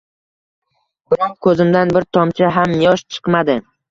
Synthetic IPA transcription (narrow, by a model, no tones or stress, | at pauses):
b̥ɪɾɒŋkʰɵzɪmd̪anbɪɾt̪ʰɒmt͡ʃʰaɦamjɒʃt͡ʃʰɨ̥qmad̪ɪ